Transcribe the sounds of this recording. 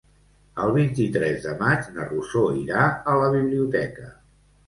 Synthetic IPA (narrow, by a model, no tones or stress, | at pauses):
əlˠβ̞int̪it̪ɾɛzðəmad͡ʒnərusoiɾaələβiβliut̪ɛkə